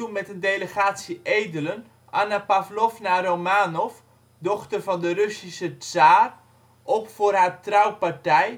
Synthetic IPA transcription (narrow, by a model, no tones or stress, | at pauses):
umɛtəndejləχaːtsiʔejdələn | ʔanapavlɔfnaromaːnɔf | dɔχtərvɑndərɵsisət͡saːr | ʔɔpfʊːrɦatrawpaɹtɛj